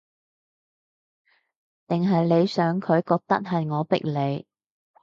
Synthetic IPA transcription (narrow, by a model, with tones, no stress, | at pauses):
t̪ɪ˨ŋɦɐ˨jle˨˧jsœː˨˥ŋkʰɵ˨˧ɥkɔː˧k̚t̪ɐ˥t̚ɦɐ˨jŋɔː˨˧pɪ̰˥k̚le˨˧j